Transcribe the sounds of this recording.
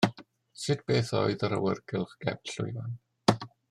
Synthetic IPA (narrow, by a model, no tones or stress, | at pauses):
sɪdb̥eːθɔɨðəɾə̰wərɡ̥ɪlˠχɡ̥ɛ̰b̥̚tɬʊ̰jvan